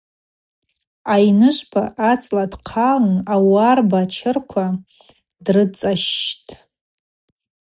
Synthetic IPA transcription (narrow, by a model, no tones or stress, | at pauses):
ajnɨʃʷpʰaʔat͡sʼladqʰalnawarbat͡ʃʰɪrkʷʰa | drɨt͡sʼaʃtʼ